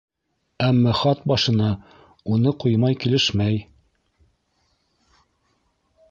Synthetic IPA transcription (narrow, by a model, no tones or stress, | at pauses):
æmːɑχɑt̪̚bɑʃɤ̆nɑ | unɤqujmɑjkilɘʃmæj